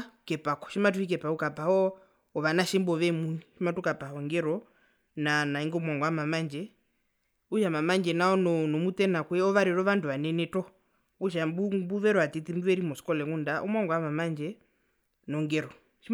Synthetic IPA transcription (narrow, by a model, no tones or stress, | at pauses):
kɛpakɔ̥ʃimat̬uhik̬ɛpaukapahɔ | ɔʋanaʃɛmbɔʋɛmuniʃimatukapahɔŋɡɛɾɔ | nanaiŋɡɔmwaŋɡɔamamand͡ʒɛ | uʃamamand͡ʒɛnaɔnɔnɔmutɛnakwɛɔʋaɾɛɾɔʋanduʋanɛnɛtɔ | uʃ̬ambubuʋɛɾɔat̪itimduɛɾimɔskɔlɛŋundaʔṵmwaŋɡɔamamand͡ʒɛ | nɔŋɡɛɾɔ | ʃi